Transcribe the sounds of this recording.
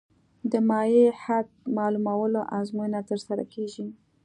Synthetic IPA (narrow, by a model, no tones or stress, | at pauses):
d̪əmɑjehad̪̚mɑlumawəloʔazmujnat̪əɾsaɾa̰keʒi